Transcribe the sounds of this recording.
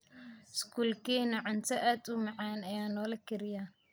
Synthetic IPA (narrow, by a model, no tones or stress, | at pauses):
skʰuːlkʰiːnɐʕʊnt̪ʰɐʔaːd̪ʊmɑʕɑːnɐjaːnɔːlɐkʰɪɾɪjaː